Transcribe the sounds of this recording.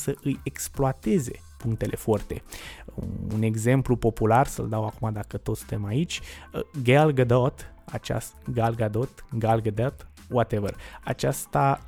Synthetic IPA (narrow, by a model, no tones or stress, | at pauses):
səʔɨjeksploat̪e̞ze̞ | puŋk̚t̪e̞lʔe̞fort̪e̞̰ | ṵne̞ɡze̞mplupo̞pularsə̰ld̪awakumad̪akət̪ot̪st̪emait͡ʃʲɡelɡəd̪ot̪a̰t͡ʃa̰st̪ɡalɡad̪ot̪ɡalɡəd̪et̪ | wat̪evəra̰t͡ʃast̪a